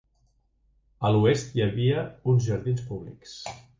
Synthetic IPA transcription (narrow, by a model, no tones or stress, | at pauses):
əluest̪jəβiəunzʒəɾðinspuβlḭks